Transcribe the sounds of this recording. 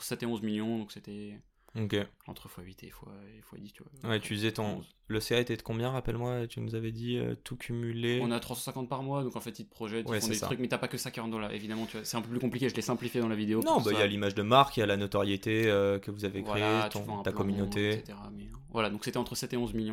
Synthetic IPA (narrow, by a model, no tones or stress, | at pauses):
sɛt̪eɔ̃zmiljɔ̃d̪ɔ̃kset̪ɛ | okʲeɑ̰̃t̪χəfwaɥit̪ḛfwaefwa̰d̪ist̪yvwa̰wɛt̪yd̪izɛt̪ɔ̃z | ləseaet̪ɛd̪əkɔ̃bjɛ̃ʁapɛlmwat̪ynuzavɛd̪iø̰t̪ʰukʲʰymyleɔ̃nat̪χwasɑ̃sɛ̃kɑ̃t̪̚paʁmwad̪ɔ̃kɑ̃fɛt̪it̪əpχɔʒɛt̪wɛɔ̃ystχyk̚mɛt̪apakəsakʲiʁɑ̃d̪ɔ̃laʔḛvid̪amɑ̃t̪yvwasɛt̪ɛ̃pøplykɔ̃plikʲeʒəlɛsɛ̃plifjed̪ɑ̃lavid̪eonɔ̃bailjalimaʒd̪əmaʁkijalanot̪ɔʁjet̪eøkəvuzavevkwχaeet̪ỹfɔ̃ɛ̃t̪apkɔmynot̪eset̪eʁamɛ | vwalad̪ɔ̃kset̪ɛɑ̃t̪χəsɛt̪eɔ̃zmiljɔ̃